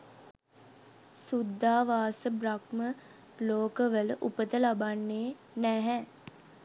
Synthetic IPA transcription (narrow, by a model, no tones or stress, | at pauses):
sud̪ʱːaːʋaːsəbɾakmə | loːkəʋələʔupət̪əlabanːeː | nɛɦɛ